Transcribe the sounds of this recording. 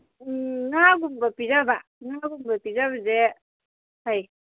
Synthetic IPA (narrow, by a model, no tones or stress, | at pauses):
naaɡumbapizabaŋaaɡumbapizaβaze | haj